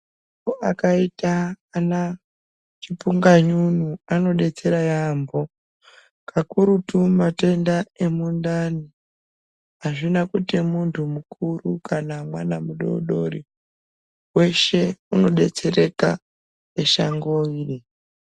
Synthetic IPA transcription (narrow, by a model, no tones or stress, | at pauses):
a | oakaitaː | na | t͡ʃipuŋɡaɲunuano̞ɗe̞t͡se̞ɾajambo | kʰakuɾutumate̞ndae̞mundani | aʐinakutimuntʰumukurukanamwa̰namuɗo̰ɗo̞̰ɾi | we̞ʃe̞uno̞ɗe̞t͡se̞re̞ka | eʃaŋɡoiːri